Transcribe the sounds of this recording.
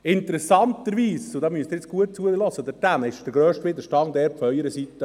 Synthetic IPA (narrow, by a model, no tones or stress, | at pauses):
ɪnt̪əɾɛsɑnt̪əɾʋiːsod̪ɑːmyəst̪ɪɾɪt͡sɡ̥uət̚t͡suəlɔsəd̪əɾdænɪʃd̥̪əɾɡɾøːʃtʋɪd̪əɾʃtɑŋd̪ɛːɾpfœʏəɾəsit̪ːə